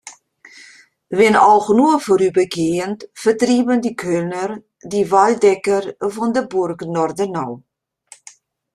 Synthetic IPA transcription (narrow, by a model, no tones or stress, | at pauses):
ʋɪnɔxnuəfoɾybəkiəntfətribəndikʰønər | diʋaldɛkərfɔndəburknɔrdənɔw